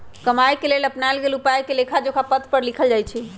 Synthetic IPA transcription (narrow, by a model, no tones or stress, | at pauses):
kəmajkeleləpnajlɡelupajkelekʰad͡ʒokapət̪ʰpəɾlikʰəld͡ʒajt͡ʃʰɛ